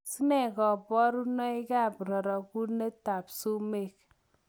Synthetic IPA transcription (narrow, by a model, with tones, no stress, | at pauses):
si˦nɛ˦˨kɔ˨bɔ˦ɾu˦nɔ˦i˦ka˦˨pɾɔ˨ɾɔ˨ku˦ne˦ta˨psu˦me˦˨k